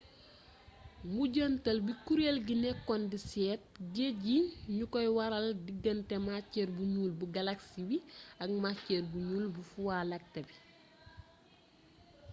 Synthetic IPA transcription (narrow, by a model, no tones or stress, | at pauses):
ŋɡuɟəntɐlbikuɾelɡinɛkːɔndisɛːt̚ɟeɟiɲukɔjwɐɾɐldiɡːəntɛmacːɛːrbuɲuːlbuɡɐlaksiwiɐk̚macːɛːrbuɲuːlbufuwalɐk̚tɐbi